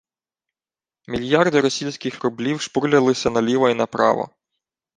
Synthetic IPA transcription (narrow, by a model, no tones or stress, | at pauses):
mʲilʲjɑrd̪ɪɾɔsʲijsʲkɪxɾʊblʲiwʃpuɾlʲɐlˠɪsʲɐnɐlʲiʋɐinɐpɾɑ̰ʋɔ̰